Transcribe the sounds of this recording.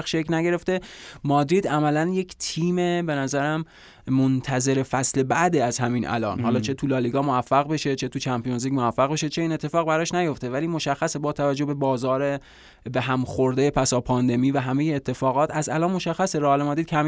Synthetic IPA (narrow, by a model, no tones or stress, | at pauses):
xʃeknæɟe̞ɾe̞ft̪e̞mɒːd̪ɾiːd̪æmælænje̞cʰt̪ʰiːme̞be̞næzæɾæm | mont̪ʰæze̞ɾe̞fæsle̞bæd̪eæzhæmiːnʔæ̰lɒ̰ːnɦɒːlɒːt͡ʃʰe̞t̪ʰulɒːliɡɒːmoæfːæɣbe̞ʃe̞t͡ʃʰe̞t̪ʰut͡ʃʰæmpijo̞nziːcmoæfːæɣbeʃe̞t͡ʃʰe̞iːnet̪ʰːe̞fɒːɣbæɾɒːʃnæjo̞ft̪e̞væliːmo̞ʃæxːæsebɒːt̪ʰævæd͡ʒːobe̞bɒːzɒːɾe | beɦæmxoɾd̪ejepʰæsɒːpʰɒːnd̪e̞miːvæɦæmejeːt̪ʰːe̞fɒːɣɒːt̪ʰæzælɒːnmo̞ʃæxːæseɾɒlemɒːd̪ɾid̪kʰcʰæm